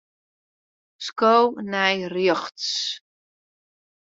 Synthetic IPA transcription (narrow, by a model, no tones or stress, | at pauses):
skownɛjrjɔχts